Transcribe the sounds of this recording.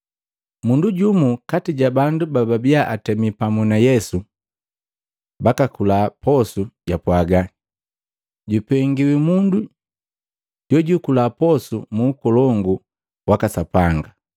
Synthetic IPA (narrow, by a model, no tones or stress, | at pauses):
munduɟumukatiɟabandubababiaʔatɛmipamunajɛsu | bakakulapɔsuɟapwaɡa | ɟupɛŋɡiwimundu | ɟɔɟukulapɔsumuːkɔlɔŋɡu | wakasapaŋɡa